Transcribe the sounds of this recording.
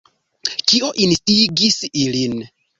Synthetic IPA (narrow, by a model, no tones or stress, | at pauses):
kio̞ʔinstiɡisilin